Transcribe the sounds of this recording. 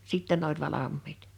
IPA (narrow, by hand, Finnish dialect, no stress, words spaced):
siˑtːɛ n olʲ ʋɑlɑmːiːt